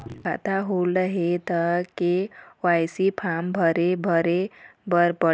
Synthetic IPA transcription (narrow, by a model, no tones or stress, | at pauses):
kʰa̰t̪aɦoləɦet̪ʌkewajsipʰambʱʌɾebʱʌɾebʌɾpə